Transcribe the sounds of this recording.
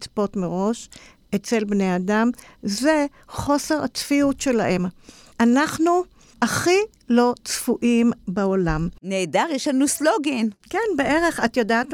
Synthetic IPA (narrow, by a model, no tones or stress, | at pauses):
t͡spo̞tmeʁo̞ʃ | et͡se̞lbnejadamzze | χo̞se̞ʁat͡sfiutʃe̞laʔe̞m | ʔanaχnu | aχi | lo̞t͡sfuʔimbeolamneːdaʁjɛʃlanusloɡinkenbee̞ʁeχatjodaːt